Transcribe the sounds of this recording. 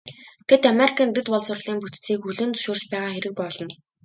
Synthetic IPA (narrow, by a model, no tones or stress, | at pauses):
t̪ʰet̪ameɾikʰănt̪̬ɵ̆t̪pɔɮsʊrɮiːmput̪t͡siːkuɮɘ̆nt͡sɵ̥ʃuːr̥t͡ɕpæːʁaːxeɾɘ̆k̚pɔɮɞ̆n